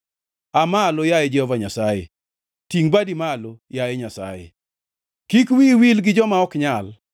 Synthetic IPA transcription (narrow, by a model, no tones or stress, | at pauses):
amalojajed͡ʒɛhɔvaɲasajḛ | tiŋbadimalojajeɲasa̰jḛ | kikwiwilɡɪd͡ʒɔmaɔkɲal